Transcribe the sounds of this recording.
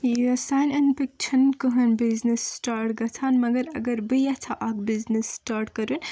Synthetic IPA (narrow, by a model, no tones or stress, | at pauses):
jɐsaːnɐnpik̚t͡ʃʰɐnkɨɦɐnbiznisʈaːɾʈɡɐt̪ʰaːnmɐɡɐɾɐ̰ɡɐɾbɨjɐt̪ʰaʔakbiznisːʈaːɾʈkɐɾun